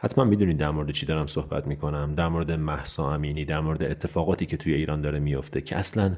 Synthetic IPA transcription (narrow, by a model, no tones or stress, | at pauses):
hæt̪ʰmænmid̪uniːd̪ːæɾmoɾed̪et͡ʃʰid̪ɒɾæmso̞hbæ̰t̪ʰmiːkʰo̞næmd̪æɾmoɾed̪emæhsɒːæmiːniːd̪æɾmoɾed̪eet̪ʰːe̞fɒːɣɒːt̪ʰiːcʰe̞t̪ʰujeiːɾʔɒːnd̪ɒːɾemijoft̪e̞cʰḛʔæslæn